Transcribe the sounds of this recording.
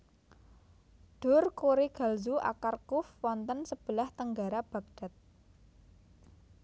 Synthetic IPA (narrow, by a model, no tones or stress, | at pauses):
ɖ̥ʊ̤rkuɾiɡ̥a̤lzuʔa̰karkʊfwɔnt̪ənsəb̥ə̤laht̪əŋɡaɾab̥a̤ɡ̚ɖ̥a̤t̪̚